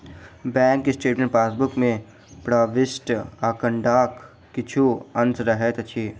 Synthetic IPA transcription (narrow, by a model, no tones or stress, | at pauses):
bɛ̃ːŋkːisʈeːʈmẽɳʈpaːsbʊkmẽ | pɾaːʋɪsʈaːkəɳɖaːkː | ɪt͡ʃʰuɐnsɾɐɦet̪ɐt͡ʃʰiː